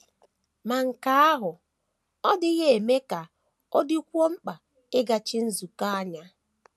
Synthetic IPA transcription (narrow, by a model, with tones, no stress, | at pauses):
ma˨ŋ̩˨ka˨a˦ɦʊ˨ | ɔ˦dɪ˦ɣe˦e˨me˦ka˨ | ɔ˦dɪ˦kʷo˦ŋ͡m̩˦k͡pa˨ | ɪ˦ɡa˨t͡ʃɪ˦n̩˦zu˨ka˦a˦ɲa˦